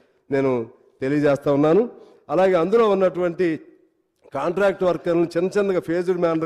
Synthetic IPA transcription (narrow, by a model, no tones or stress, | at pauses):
ne̞ːnu | t̪e̞lijɐd͡ʒɛːst̪aːunːaːnu | ɐlaːɡe̞ːɐnd̪ulo̞ːunːɐʈuʋɐɳʈi | kaːɳʈɾaːk̚ʈʋɐɾkɐnlnit͡ʃinːɐt͡ʃind̪ɐɡɐpʰeːd͡ʒuɽmaːnɖ